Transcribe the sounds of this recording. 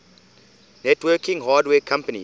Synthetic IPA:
nɛtwəkĩŋɦadweːkʰãmpənḭ

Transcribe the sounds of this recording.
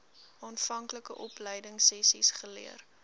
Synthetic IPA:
ɑːnfɐŋkləkəʔɔpləjdəŋsɛsisχəlḭər

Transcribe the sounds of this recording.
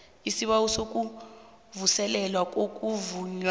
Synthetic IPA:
isiɓausok̬ʼu | vusɛlɛlwak̬ʼok̬ʼuvuɲ

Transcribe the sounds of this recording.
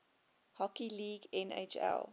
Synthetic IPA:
hɔkiliːɡɛnḛt͡ʃɛ̰lˠ

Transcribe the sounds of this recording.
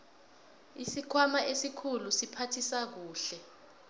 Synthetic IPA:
isikʰwamaʔesikʰulusipʰatʰisak̬uːɬɛ

